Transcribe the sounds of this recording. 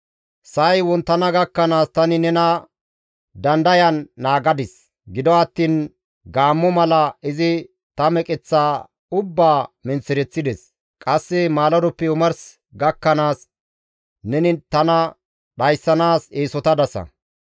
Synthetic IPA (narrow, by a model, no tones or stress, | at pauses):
sɐjwɔnt̪ːɐnɐɡɐkːɐnaːst̪ɐnɪnɛnɐ | d̪ɐnd̪ɐjɐnːaːɡɐd̪ɪs | ɡɪd̪ɔɐt̪ːiːn | ɡaːmːɔmɐlɐɪzɪ | t̪ɐmɛkʼɛt͡sːaː | ʊbːaːmɪnt͡sːɪɾɛt͡sːɪd̪ɛs | kʼɐsːɛmaːlɔd̪ɔpːɛʊmɐɾs | ɡɐkːɐnaːs | nɛnɪt̪ɐnɐ | ɗɐjsːɐnaːseːsɔt̪ɐd̪ɐsɐ̰